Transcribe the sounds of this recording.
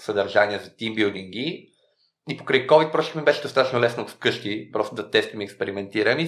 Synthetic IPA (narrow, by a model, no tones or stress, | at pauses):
səd̪ɐɾʒaniəzɐt̪imbilˠd̪iŋɡi | ipo̥kɾəjkɔvit̪̚pɾɔʃikmibɛʃɛd̪ost̪at̪ət͡ʃnolɛsnɐot̪fkɤʃk̪ipɾɔst̪ʊd̪ɐt̪ɛst̪imiɛkspɛɾimɛnt̪iɾəmi